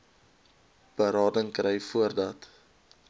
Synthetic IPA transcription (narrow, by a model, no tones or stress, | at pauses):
b̥əɾɑːdəŋkrɛjfuərdɐt